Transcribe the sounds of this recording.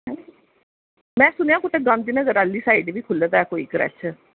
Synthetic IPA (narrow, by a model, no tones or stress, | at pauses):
ɦɛ̃ | mɛ̃ːsʊnejãːkʊʈeɡãnd̪inəɡəɾaːlːiːsaːiɖʋiːkʰʊlət̪ɛːkoːḭːkəɾɛ̰t͡ʃʰə